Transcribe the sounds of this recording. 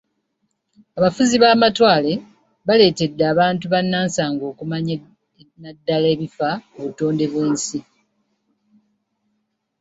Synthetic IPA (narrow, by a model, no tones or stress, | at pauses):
aβafuziβaːmatwaːle̞ | βale̞ːte̞dːaːβaːntuβanːaːnsaːŋɡo̞ːkumaɲ | nadːale̞ːβifaoβuto̞ːnde̞βwe̞ːnsi